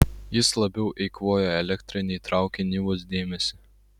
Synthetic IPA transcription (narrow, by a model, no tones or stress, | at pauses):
jɪslˠɐbʲɛʊʔɛɪkʋoːjoɛlʲɛkʲt̪ʲɾʲɪnʲɛːt̪ɾɑˑʊkʲenʲiːʋos̬d̪ʲeːmʲɛsʲɪ